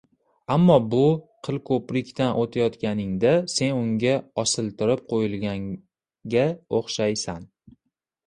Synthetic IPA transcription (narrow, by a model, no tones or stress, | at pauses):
amːɒbʊqʰɨlˠkʰɵpɾɪkʲt̪anʔot̪ʰajɒt̪kʲanɪŋd̪ase̞nʊŋɡʲaɒsɪlˠt̪ɪɾɪp̚qʰojɪlˠɡʲaŋ | ɡʲaoχʃajsan